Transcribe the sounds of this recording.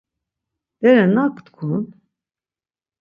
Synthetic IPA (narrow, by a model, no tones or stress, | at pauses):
d̪ɛɾɛnakt̪kʰun